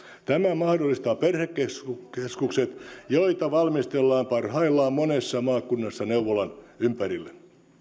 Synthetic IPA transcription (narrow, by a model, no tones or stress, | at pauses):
t̪æmæmɑhdolːist̪ɑːperhekːesukeskukset̪joit̪ɑʋɑlmist̪elːɑːmpɑrhɑilːɑːmmonesːɑmɑːkunːɑsːɑneuʋolɑnympærilːe